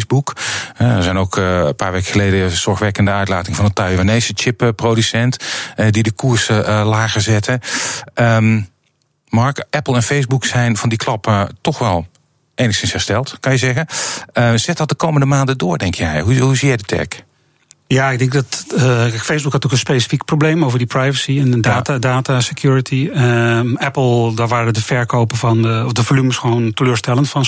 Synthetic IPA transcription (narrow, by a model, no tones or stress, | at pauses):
zbukhɛɛɹzɛjnokpaːɹʋeːkə̥xəlejdəz̥ɔɹxʋɛkəndəœɥtla̰ːtɪŋəvɑnətœɥəʋaneːsət͡ʃɪppːrodysɛntɛdidəkuəɹslaːɣəzɛtʰəəm | mɑɹkɛplˠɛnfejzbuksɛjnvɑndikʰlɑpətɔxʋɛlˠ | ejnəxsɪnshɛɹstɛlˠtkɑnjəzɛɣəəz̥ɛt̚dɔt̚dəkowməndəmaːndədʊːdɛŋkʰjɛjɦuɦusijɛjdətʰɛ̰k | jaɪɡ̚dɪŋk̚dɔtɛkfejzbukhɑtokə̃nspejsi̥fikproblejmowvəɹdiprajvəsiɛndaːtadaːtasəkjuːɹətʰiəɛpl̩ˠdaʋaːɾədəfɛɹkowpəfɑnɔfdəvolyməsxoːntəløːɹstɛlˠəntfɑn